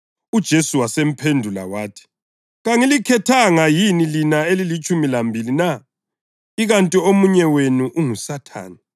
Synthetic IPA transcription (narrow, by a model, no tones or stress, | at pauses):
ud̥ʒ̥ʱesuwasem̩pʰendʱula̰waːtʰi̥ | ɣaŋilikʰɛtʰaŋajinilinaelilit͡ʃʼumilambʱilina | iɣantʼiomuɲɛwenuʔuŋusatʰa̰ːni